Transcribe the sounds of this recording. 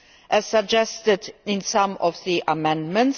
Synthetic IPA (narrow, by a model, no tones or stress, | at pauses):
ʔɨz̥səɡ̚d͡ʒɛstɨdɪ̃nsʌ̃mɔvðiʔəmɛ̃nd̚mə̃nts